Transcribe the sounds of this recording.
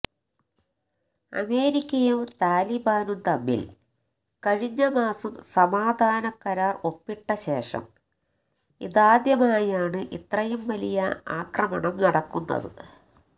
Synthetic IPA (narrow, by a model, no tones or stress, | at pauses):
ɐ̰me̞ːɾikʲːɐjumt̪aːlibaːnunt̪ɐmːḭl | kɐɻiɲːɐmaːsɐmsɐmaːd̪ʱaːnɐkɐɾaːro̞pːiʈːɐɕe̞ːʂɐ̰m | iðaːd̪jɐmaːjaːɳɨʔit̪rɐjumʋɐlijɐa̰ːkrɐmɐɳɐmnɐɽɐkːunːɐ̰ðɨ̰